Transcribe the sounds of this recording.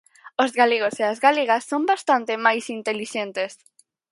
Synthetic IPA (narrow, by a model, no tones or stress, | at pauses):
ozɣaleɣoseazɣaleɣasːõmbast̪ant̪emajsint̪eliʃẽnt̪es